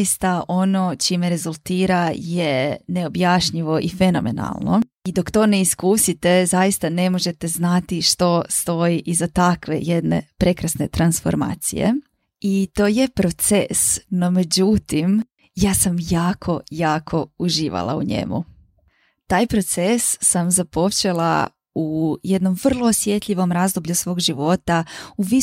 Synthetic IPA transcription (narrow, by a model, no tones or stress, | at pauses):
jist̪aʔo̞no̞t͡ʃimeɾe̞zulˠt̪iːɾajene̞o̞bjaːʃɲiʋo̞ʔifeno̞̰me̞̰na̰lˠno̰ | id̪o̞kt̪o̞ːne̞iskuːsit̪e̞zajist̪ane̞mo̞ʒe̞t̪e̞znat̪iʃt̪o̞st̪o̞jiʔizat̪akʋe̞̰jed̪ne̞̰pɾe̞kɾasne̞t̪ɾansfo̞̰ɾma̰ːt̪sḭjḛ | it̪o̞ːje̞pɾo̞t̪sesno̞me̞d͡ʑut̪im | jaːsamjaːkʰo̞jaːkʰo̞uʒiːʋa̰lˠa̰ṵɲe̞̰mṵ | t̪aːjpɾo̞t̪sesːamzapo̞t͡ʃe̞lˠa̰ | uje̞d̪no̞mʋər̩lˠo̞ːsje̞t̪ʎʲiʋo̞mɾazd̪obʎusʋo̞ːɡʒiʋo̞t̪auʋi